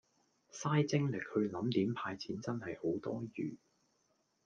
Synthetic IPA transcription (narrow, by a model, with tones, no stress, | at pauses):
saː˥jt͡sɪ˥ŋlɪ˨k̚hɵ˨˧lɐ˨˥mt̪iː˨˥mpʰaː˧jt͡sʰiː˨˥nt͡sɐ˥nhɐ˨jho˨˥wt̪ɔː˥jyː˨˩